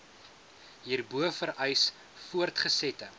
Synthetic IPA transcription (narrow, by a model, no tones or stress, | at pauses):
ɦiːrbuəfəɾʔəjs | fuərtχəsɛtə